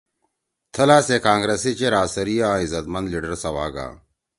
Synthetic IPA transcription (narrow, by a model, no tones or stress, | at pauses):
t̪ʰɐlaːsekãːŋɡɾesit͡ɕeɾaːsɐɾijaizɐt̪mɐnd̪liːɖɐɾsɐʋa̰ːɡa̰ː